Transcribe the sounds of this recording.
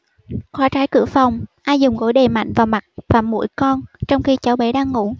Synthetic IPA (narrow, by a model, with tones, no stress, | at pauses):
xwaː˨˦t͡ɕaː˨˦jkɨ̰˧˩əfɔ˨˩wŋ͡mʔaː˧jzʊ˨˩ŋ͡mɣo̰˧˦jɗe˨˩ma̰˧˨jŋ̟vaː˨˩ma˨˩t̚vaː˨˩mṵ˧˥jkɔ˧nt͡ɕɔ˧wŋ͡mxi˧t͡ɕaː˨˦wɓe˨˦ɗaː˧ŋːṵ˧˥